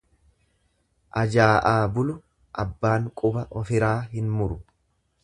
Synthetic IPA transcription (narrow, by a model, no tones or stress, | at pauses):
ʔɐd͡ʒaːʔaːbʊlʊ | ʔɐbːaːŋkʼʊbɐʔɔfɪɾaːɦɪnmʊɾʊ